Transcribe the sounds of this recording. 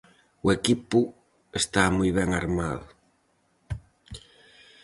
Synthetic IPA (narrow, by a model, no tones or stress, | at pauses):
ʊekipʊ | est̪amujβɛŋaɾmaðʊ